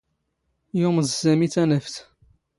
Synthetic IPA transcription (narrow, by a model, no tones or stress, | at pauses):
joməzsæmit͡sːænəft̪